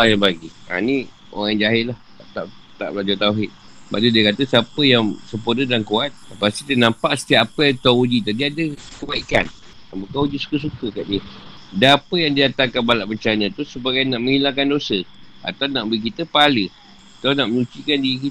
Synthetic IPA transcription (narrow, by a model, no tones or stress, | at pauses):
ajaŋbaɡia̰ni | o̰ɣaŋd͡ʒaɦɪʔlah | at̪aʔt̪a̰ʔblad͡ʒat̪auɦɪt̪̚ | ba̰ʔt̪udiəkat̪əsapəjaŋsəmpurdədankuat̪̚ləpast̪it̪ənãmpaʔsə̥t̪iapət̪aud͡ʒit̪adiadəkəbaika̰n | abukaud͡ʒisu̥kəs̬ukəkaʔdiə | daapəjaŋdiat̪akanbalaʔbənt͡ʃanə̃t̪usəbaɡajnaʔmə̃ŋɦilaŋkandosəa̰t̪awnaʔbəik̬it̪əpalə | at̪awnaʔmənut͡ʃikandiik̬i